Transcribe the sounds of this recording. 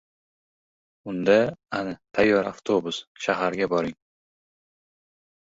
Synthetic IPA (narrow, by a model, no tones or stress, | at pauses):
ʊnd̪aanɪt̪ʰajːɒɾaft̪ʰobʊsʃaɦaɾɡʲabɒɾɪŋ